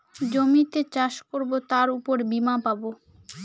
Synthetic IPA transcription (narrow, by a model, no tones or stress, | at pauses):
d͡ʑomit̪et͡ɕaʃkoɾbot̪aɾupoɾbimapabo